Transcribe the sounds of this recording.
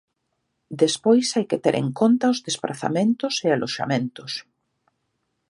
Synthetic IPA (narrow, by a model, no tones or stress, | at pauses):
d̪espojsajket̪eɾʔḛŋkont̪aʊzðespɾa̰θa̰mẽnt̪ʊsealʔoʃa̰mẽnt̪ʊs